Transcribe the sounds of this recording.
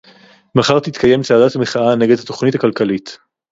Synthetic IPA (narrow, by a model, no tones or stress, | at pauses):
maχaʁt̪it̪kʰaje̞mt͡saːdatameχaane̞ɡedhato̞χnitakalkalit